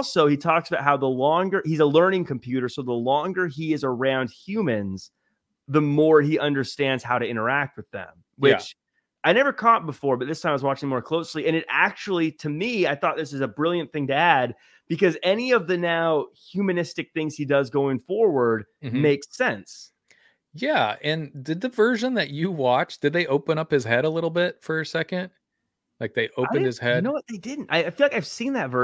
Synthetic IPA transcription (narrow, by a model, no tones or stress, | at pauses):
lˠsoʊitʰɔksəbaʊtɦaʊðəlɔ̃ŋɡə˞hizəlɜ̃˞nɪ̃ŋkʰɨ̃m̩pʰj̥ʉɾə˞soʊðəlɔ̃ŋɡə˞iɨzə˞ãʊ̃nd̥̚hjʉmɨ̃nz̥ | ðəmɔɹiʔʌ̃ndə˞stæ̃ndz̥haʊɾɨɪ̃ɾ̃ə˞æk̚t̚wɨðɨ̰̃m | wɪt͡ʃ | aɪnɛvə˞kʰɔt̚b̥əfɔɹbʌt̪̚ðɪstʰãɪ̃mawʌzwɑt͡ʃɪ̃ŋmɔɹkʰl̥oʊsliɨ̃ñɨɾæ̰k̚t͡ʃul̩ˠiɾɨmiaɪθɔt̪̚ðɪs̬ɨzəbɹɪlˠjɨ̃nθɪ̃ŋtɨæd̚ | b̥ɨkʌzɛniʌvðɨnaʊhjʉmɨnɪstɨk̚θɪ̃ŋz̥idʌzɡoʊɪ̃ŋfɔɹwə˞d̚ | meɪksɛ̃ns | jæɨ̃nðɨd̪̚ðɨvɜ˞ʒɨ̃nðɨt͡ʃɨwɑt͡ʃd̥ɨd̪̚ðeɪʔoʊpə̃ɾ̃ʌphɨz̥ɦɛɾəlɪɾl̩ˠbɪtfə˞ɨsɛkɨ̃nd̥̚ | laɪk̚ðeɪʔoʊɨ̃nd̚ɨz̥hɛdnoʊwʌt̪̚ðeɪdɪdⁿn̩ta̰ɪaɪfilˠaɪkaɪv̥sĩnðɨtvɜ˞